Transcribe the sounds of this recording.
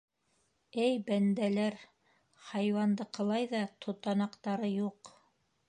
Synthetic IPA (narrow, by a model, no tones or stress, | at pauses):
ɘjbænd̪ælæɾ | hɑjwɑnd̪ɤqɤ̆lˠɑjðɑt̪ʰŏt̪ɑnɑqt̪ɑɾɤjuq